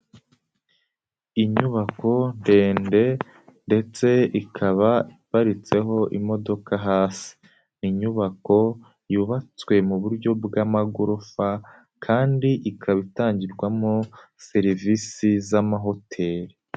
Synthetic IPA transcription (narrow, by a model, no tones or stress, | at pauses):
iɲuβako̞nde̞ːnde̞ | nde̞t͡se̞ikʰaβaipaɾit͡se̞ɦo̞ʔimo̞do̞kaɦaːsi̥ | niɲuβako̞ | juːβat͡swe̞muβuɾɟo̞bɡamaɡuɾofa | kʰaːndiʔikʰaβitaːɲɟiɾɡwamose̞ɾivisizamaɦo̞tʰe̞ɾi